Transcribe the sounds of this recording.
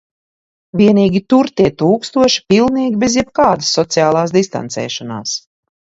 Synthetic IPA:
vʲiɛniːɡʲit̪uɾt̪iɛt̪uːkst̪uɔʃi̥pilˠniːɡʲibezjɛb̚kaːd̪ɨsːɔt̪sijaːlˠaːsd̪ist̪a̰nt̪sɛ̰ːʃana̰ːs

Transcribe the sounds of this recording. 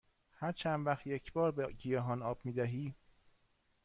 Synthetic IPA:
hæɾt͡ʃʰænd̪væxt̪jecʰbɒːɾbeɟijɒːɦɒːnɒːb̥miːd̪æɦiː

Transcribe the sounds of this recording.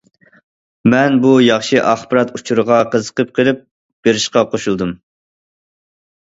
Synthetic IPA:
mɛnbujɑχʃiʔɑχbɨɾɑt̪ut͡ʃʰuɾəʁɑqəzə̥qəp̚qʰəlˠɪp̚ | b̥eɾɪʃqɑqʰoʃulˠd̪ɨm

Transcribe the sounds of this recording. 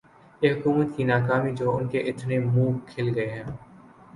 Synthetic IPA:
jeɦʊkuːmət̪kinaːkaːmid͡ʒoːʊnkeʔɪt̪nemũːkʰɪlɡɐeɦɛ̃ː

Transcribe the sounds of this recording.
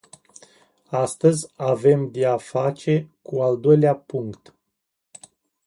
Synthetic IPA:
ast̪əzʲave̞md̪eafat͡ʃe̞kuald̪o̞jleapuŋkt̪

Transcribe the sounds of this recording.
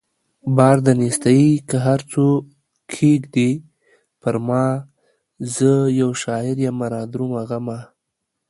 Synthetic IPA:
bɑɾd̪anist̪ajikəɦaɾt͡so | kʰeɡd̪i | pəɾmɑ | zəjawʃɑɪɾjamaɾɑd̪ɾumaɣama

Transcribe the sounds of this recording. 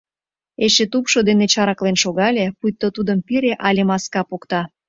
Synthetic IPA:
eʃet̪upʃod̪enet͡ɕɑɾɑklenʃoɣɑlʲepujt̪ːot̪ud̪əmpiɾeʔɑlʲemɑskɑpokt̪ɑ

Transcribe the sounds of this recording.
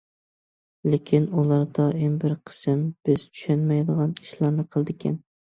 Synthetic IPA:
lɪkʲʰinulˠɑɾd̪ɑembɪɾqʰə̥sɨmb̥ɪzt͡ʃʰy̥ʃænmɛjd̪əʁɑni̥ʃlˠɑɾnɨqʰəlˠd̪ɪkʲʰɛ̰n

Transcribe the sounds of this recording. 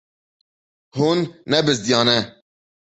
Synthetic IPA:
hunːɛbɨzd̪jɑːnɛ

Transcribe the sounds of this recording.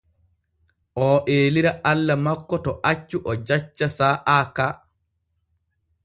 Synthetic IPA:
ʔɔʔeːliɾaʔalːamakːɔtɔʔat͡ʃːuʔɔd͡ʒat͡ʃːasaːʔaːka

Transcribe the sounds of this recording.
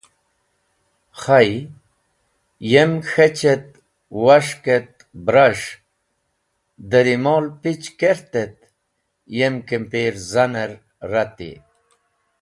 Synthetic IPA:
χaj | jemxet͡ɕet̪̚ | waʂket̪̚ | bɾaʂ | d̪əɾimolpit͡ɕkeɾt̪et̪̚ | jemkempeːɾzanəɾ | ɾat̪ḭ

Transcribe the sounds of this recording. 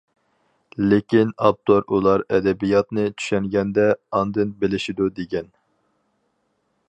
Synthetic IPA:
lekʲinɑp̚t̪ʰoɾulˠɑɾɛd̪ɛbijɑt̪nɨt͡ʃʰy̥ʃɛŋɡʲɛnd̪ɛɑnd̪ɨnbelɪʃid̪ud̪eɡʲɛn

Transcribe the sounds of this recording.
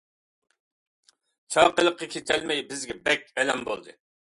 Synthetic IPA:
t͡ʃʰɑːqəlˠəqːɑkʲʰet̪ʰælmɛjbɪzɡʲɛbɛkʲɛlɛmbo̰lˠd̪ɨ

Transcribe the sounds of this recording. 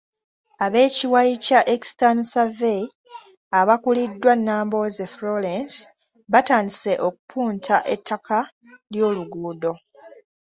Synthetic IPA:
aβe̞ːciwajicaʔekstanusavej | aβakulidːwanːaːmbo̞zefɾolens | βataːndise̞ʔo̞k̚u̥pʰuːntʰaʔetʰːakʰa | ljo̞ːluɡuːdo̞

